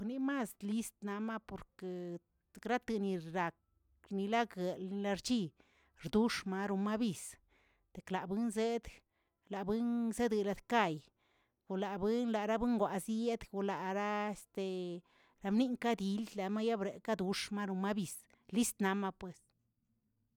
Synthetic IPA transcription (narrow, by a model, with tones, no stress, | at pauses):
ni˧ma˦˨sli˦st̪na˧ma˦po˨ɾke˨ | ɾa˦t̪ɨ˨ni˧ɾa˨k̚ | ni˧la˦ɡe˨lni˧la˧ɾt͡ʃi˦ | ɾd̪u˦ʂma˧ɾu˧ma˦bi˨s | t̪e˨kla˨bɨ˦nze˦d̪ | la˨bɨ˦nze˦d̪ɨ˨la˧d̪ka˦˧˨j | ɡ̥u˨la˨bɨ˦nla˨ɾa˦bɨ˦ŋɡʷwʷa˨zje˦d̪ɡu˧la˨ɾa˦e˧st̪e˨ | ɾa˧mni˦ŋka˦d̪i˧lla˨ma˦ja˦bɾe˨ka˦d̪u˨ʂma˦ɾu˧ma˦bi˨s | li˦st̪na˧ma˦pwe˨s